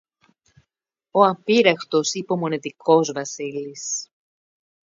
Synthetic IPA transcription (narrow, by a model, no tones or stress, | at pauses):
oɐmpiɾɐxt̪o̞sipeomo̞net̪ikʰo̞zvɐsilis